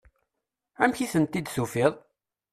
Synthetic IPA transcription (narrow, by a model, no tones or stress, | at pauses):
æmçiθənt̪ːid̪sufɪðˤ